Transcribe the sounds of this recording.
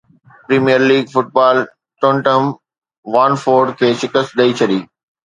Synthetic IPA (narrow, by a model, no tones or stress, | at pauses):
pɾiːmijəɾliːɡfʊʈ̚baːl | ʈõːɳʈəm | ʋãːnfoːɾɖkʰeːʃɪkəst̪ɗɐit͡ɕʰɐɗiː